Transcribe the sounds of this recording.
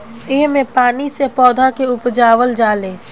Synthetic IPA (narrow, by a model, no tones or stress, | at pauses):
eɦmẽpaːnisepɔːd̪ʱakeʊpd͡ʒaːʋəld͡ʒaːlẽː